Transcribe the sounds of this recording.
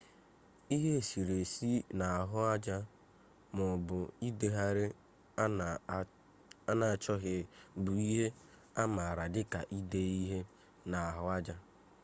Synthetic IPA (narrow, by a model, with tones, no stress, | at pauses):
i˦ɦe˦˨si˨ɾe˨si˦na˨a˨ɦʊ˦a˦d͡ʒa˦ | mʊ˨bʊ˨i˦de˨ɦa˦ɾɪ˦ | a˦na˨a˨t͡ʃɔ˦ɦɪ˨bʊ˨i˦ɦe˦ | a˦ma˨a˨ɾa˨dɪ˦ka̰˨ʔi˦de˦i˦ɦe˦ | na˨a˨ɦʊ˦a˦d͡ʒa˦